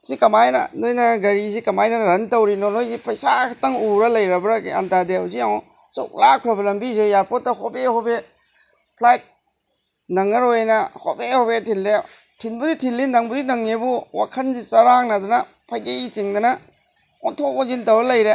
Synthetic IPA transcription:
sikɐmajnɐ̰nojnɐɡɐɾizikɐmajnɐɾɐntɐwɾinɔnojzipʰɐjsakʰɐtɐŋuɾɐlɐjɾɐbɐɾakea̰ntadeawziaŋɔ | so̰k̚lakʰɾɐbɐlɐmbizejaɾpot̚ːɐhobehobe | pʰlajt̚ | nɐŋɐɾojnɐhobehobetʰilːe | tʰinbuditʰilːinɐŋbudinɐŋːebuwa̰kʰɐnzit͡ʃɐɾaŋnɐd̪ɯnɐ | pʰajɡejit͡ʃiŋdɐnɐ | ɔntʰopɔzintɐwɾɐlɐjɾe

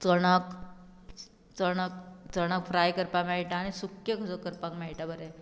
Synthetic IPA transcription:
t͡səɽ̃ək | t͡səɽ̃ək̚t͡səɽ̃əkfʰɾajkəɾpamaiʈaːɽ̃isukjəkʰəsokəɾpãkmaɭʈabəɾe

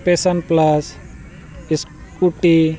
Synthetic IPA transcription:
pesɐnplas | iskuʈi

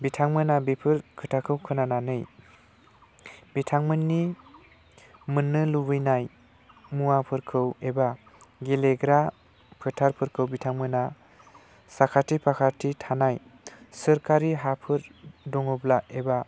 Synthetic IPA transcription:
bitʰaŋmɯnabipʰɯɾkʰɯtʰakʰɯwkʰɯnananɯj | bitʰaŋmɯnːi | mɯnːɯlubɯjnaj | muwapʰɯɾkʰɯweba | ɡeleɡɾa | pʰɯtʰaɾpʰɯɾkʰɯwbitʰaŋmɯna | sakʰatʰipʰakʰatʰitʰanaj | sɯɾkaɾiɦapʰɯɾdɔŋɔblaeba

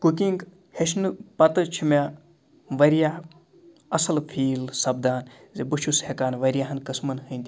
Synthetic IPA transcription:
kukiŋɡ | heʃnɨpɐt̪ɨt͡ʃʰima | ʋɐɾjaːɦ | ɐsɐlfʰiːlsɐb̚d̪aːn | zebuʃushekaːnʋɐɾʲjaːɦɐnkɐsmɐnhɨnʲd̪ʲi

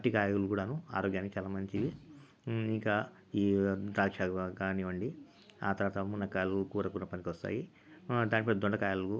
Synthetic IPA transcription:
ʈːikaːjulukuːɽaːnua̰ːɾɔːɡjaːnikit͡ʃaːlaːmɐɲt͡ʃii | iŋkɐ | iːt̪aːkʂaɡaːniʋɐɳɖi | aːt̪ɐɾʋaːt̪ɐmunɐkaːjluukuːɾɐkunːɐpɐnikʲʋɔst̪a̰ːji | d̪aːnʈipɐd̪ɔɳɖɐkaːjaluku

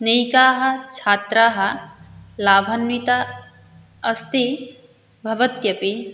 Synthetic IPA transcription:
nɐjkaːɦɐ̆t͡ʃʰaːt̪ɾaːɦɐ̆laːbʱɐnʋit̪a | ɐst̪i | bʱɐʋɐt̪jɐpi

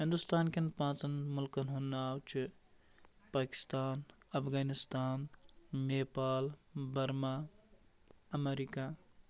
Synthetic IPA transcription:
ɦĩnd̪ust̪aːnkenpãːt͡ʃənmʊlkənɦonːawt͡ʃʰi | paːki̥st̪aːn | ɐpʰɡaːnist̪aːnmeːpaːlbɐɾma | əmeɾika

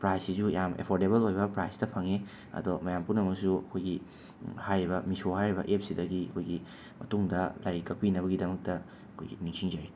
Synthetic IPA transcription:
pɾajsːisujamḛpʰoɾdeβɐlojbɐpɾajsdɐpʰɐŋe | ɐ̰domɐjampunɐmɐksuɐ̰kʰojɡi | hajɾibɐmisohajɾibɐ̰ʔep̚sidɐɡiɐ̰kʰojɡi | mɐtuŋdɐlajɾikɐk̚pinɐβɐɡidɐmɐk̚tɐ | ɐkʰo̰jɡḭniŋsiŋd͡ʒɐɾi

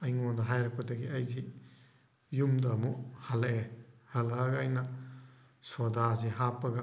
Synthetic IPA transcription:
ɐjŋodɐɦajɾɐk̚pɐdɐɡiɐjzi | jumdɐmuhalehɐlaɡajnɐ | sodaziɦapɐɡɐ

